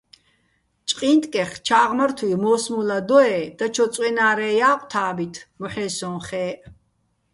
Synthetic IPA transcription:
t͡ʃʼqʼint̪ʼkʼɛχt͡ʃʰaːʁməɾt̪ʰwimɔːsmulad̪ɔɛd̪̥at͡ʃʰɔt͡sʼwɛnaːɾɛːjaːqʼt̪ʰaːbit̪ʰmɔħɛːsɔ̃nχɛːʔ

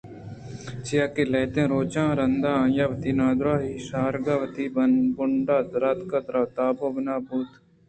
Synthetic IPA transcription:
t͡ʃɪjaːkeːlɛːt̪ẽːɾoːt͡ʃãːɾənd̪ãːjaːʋət̪iːnãːd̪ɾaːɦiːʃaːɾɡaːʋət̪iːbənbʊɳɖaːd̪ɾaːt̪kət̪ɾaːt̪aːboːbənaːbuːt̪

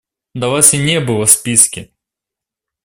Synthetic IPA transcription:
d̪ɐʋasʲinʲɛbɨlˠɐspʲiskʲɪ

